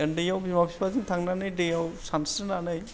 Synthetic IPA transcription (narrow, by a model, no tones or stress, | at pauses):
endijawbimapʰiaziŋtʰaŋnanɯjdejawsansɯnanɯj